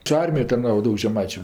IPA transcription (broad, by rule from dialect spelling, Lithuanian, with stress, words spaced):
t͡ʃʲɛ ˈɐrʲmʲɪjoːj tɐrˈnɑːʋoː ˈdɐʊk ʒʲɛˈmɐɪt͡ʃʲʊ